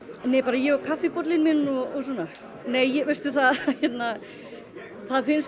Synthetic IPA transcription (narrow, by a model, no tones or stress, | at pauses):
neːjpaːɾajɛɣɔkʰafːɪpɔt̪lɪnmɪnnɔɔs̬wɔːna | neːjːɛɣvɪst̪ʏθaðçjɛt̪na | θaðfɪns